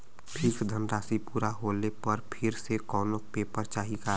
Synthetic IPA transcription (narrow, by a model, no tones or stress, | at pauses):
pʰɪɾsd̪ʱənɾaːsipuːɾaɦoːlepəɾpʰɪɾsekɔːnopeːpəɾt͡ʃaːɦika